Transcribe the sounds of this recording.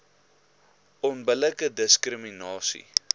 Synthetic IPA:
ɔnbələkədəskrəminɑːsḭ

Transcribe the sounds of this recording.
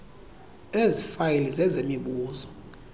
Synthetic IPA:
ezifajilizɛzemiɓuːzɔ

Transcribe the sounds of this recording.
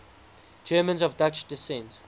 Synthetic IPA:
d͡ʒɛːmə̃nzɔvdat͡ʃdisɛ̃nt

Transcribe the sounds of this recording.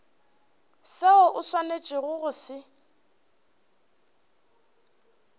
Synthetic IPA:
seɔʔʊswanet͡ʃʼɪɣʊɣʊsɪ

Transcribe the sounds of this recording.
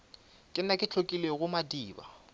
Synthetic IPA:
kʼɪnakʼɪt͡ɬʰokʼileɣʊmadiːba̰

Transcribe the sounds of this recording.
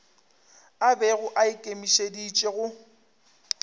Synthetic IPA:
abɛɣʊʔaɪkʼemiʃedit͡ʃʼeɣʊ

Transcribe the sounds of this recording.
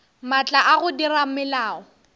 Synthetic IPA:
mat͡ɬʼaʔaɣʊdiramɪlaːɔ

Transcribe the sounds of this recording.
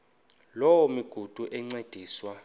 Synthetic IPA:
lɔwɔmiɡ̥ʱud̥ʱuʔɛŋ͡ǀed̥ʱiːswa

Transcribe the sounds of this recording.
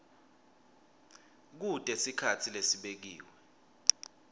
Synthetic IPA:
k̬utʼesikʰatʰilesiɓek̬iːwɛ

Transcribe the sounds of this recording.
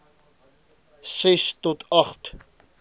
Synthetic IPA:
sɛstɔtʰɐχt

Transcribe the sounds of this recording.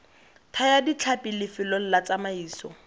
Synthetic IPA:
tʰajadit͡ɬʰapʼɪlɪfɪlɔl̩lat͡samaiːsɔ̰

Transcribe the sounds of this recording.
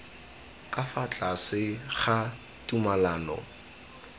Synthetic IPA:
kʼafat͡ɬʼasɪχa | tʼumalaːnɔ̰

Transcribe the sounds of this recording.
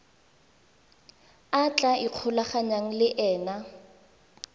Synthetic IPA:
at͡ɬʼaiq͡χʰʊlaχaɲaŋ̩lɪʔɛːna

